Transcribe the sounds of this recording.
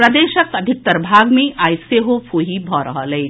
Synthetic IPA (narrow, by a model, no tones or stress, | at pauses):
pɾɐd̪eʃəkəd̪ʱik̚t̪əɾbʱaɡmeʔajseɦopʰoɦibʱɔɾəɦələj